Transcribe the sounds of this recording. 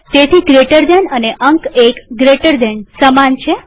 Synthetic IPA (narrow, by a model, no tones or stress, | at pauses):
t̪et̪ʰiɡɾeʈəɾd̪enəneʔəŋkekɡɾeʈəɾd̪ensəmant͡ʃʰe